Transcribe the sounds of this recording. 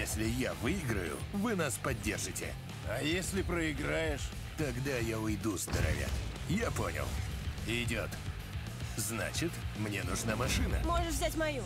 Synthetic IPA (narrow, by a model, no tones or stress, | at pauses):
jesʲlʲɪjavɨɪɡɾəjʊ̰vɨnaspɐdʲːerʐɨtʲɪ̰ | ɐjesʲlʲɪpɾəɪɡɾajɪʂ | t̪ɐɡd̪ajaʊjd̪uzd̪əɾɐ̰vʲa̰ | japo̰nʲɪ̰lˠɪdʲo̰t̪ | zna̰t͡ɕɪt̪mnʲenʊʐnamɐʂɨnə̰mo̞ʐɨʂvzʲatʲmɐju